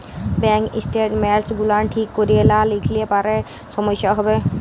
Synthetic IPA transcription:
bɛŋkḭsʈeʈmɛɾsɡulaʈʰikːɔɾielalikʰliepaɾe | sɔmɔʃjaɦɔbe

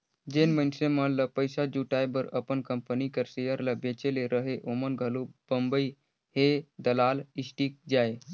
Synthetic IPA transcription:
d͡ʒenmənsemənləpəjsad͡ʒuʈajbəɾəpənkəmpənikəɾsejəɾləbet͡ʃeleɾəɦeʔomənɡʱəlub̥əmbəi | hed̪əlalisʈik̚d͡ʒae

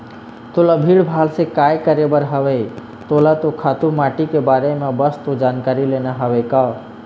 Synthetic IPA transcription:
t̪oləbʱiɽbʱalsekajkəɾebəɾɦəbɛ | t̪olat̪okʰat̪umaʈikebaɾemebəst̪od͡ʒankaɾileneɦəbeka

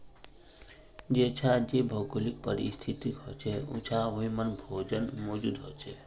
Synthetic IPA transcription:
d͡ʒet͡ʃʰad͡ʒebʱɔɡolik̚pə̰ɾḭst̪ʰit̪ikɦo̰t͡ʃʰeṵt͡ʃʰaɦoɦĩmənbʱod͡ʒənmɔd͡ʒud̪ɦot͡ʃʰe

